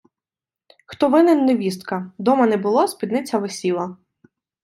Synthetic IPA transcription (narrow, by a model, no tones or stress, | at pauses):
xt̪ɔʋɪnɪnːeʋʲist̪kɐd̪ɔmɐnɛbʊlˠɔspʲid̪nɪt͡sʲɐʋesʲilˠɐ